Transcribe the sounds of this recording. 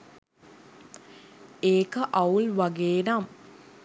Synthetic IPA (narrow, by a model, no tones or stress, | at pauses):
eːkəʔaulʋaɡeːnam